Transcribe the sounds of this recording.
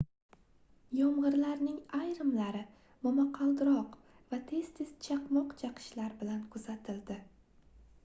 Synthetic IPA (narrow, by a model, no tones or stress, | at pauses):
jɒmʁɨɾlaɾnɪŋajɾɪmlaɾɪ | mɒmaqʰɑlˠd̪ɾɒq | vat̪ʰe̞z̥t̪ʰe̞z̥t͡ʃʰɑqmɒqt͡ʃʰɑqʰɨ̥ʃlaɾbɪlankʰʊz̥at̪ʰɪld̪ɪ